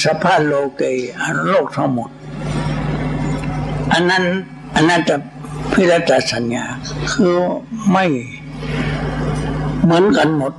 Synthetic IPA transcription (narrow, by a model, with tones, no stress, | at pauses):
sa˧pʰaː˧˥˩lo˧ke˧˨jʔa˧˨˧loː˥˩k̚t̪ʰa˧˩ŋmo˨˦t̪̚ | ʔa˧˨nːa˧˥˨n | ʔa˧˨nːa˧˨ta˧˩ | pʰi˧˥˨la˧˥tt̪a˧˩sa˨˦nɲaː˧˩kʰɯː˧˦ma˥˩j | mɯ˩˨˦ə˦nka˨nmo˧˦t̪̚